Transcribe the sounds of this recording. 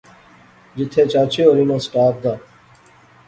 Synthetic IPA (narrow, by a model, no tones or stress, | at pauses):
d͡ʒɪt̪ʰeːt͡ʃaːt͡ʃʰeːoːɾinõːsʈaːp̚d̪aː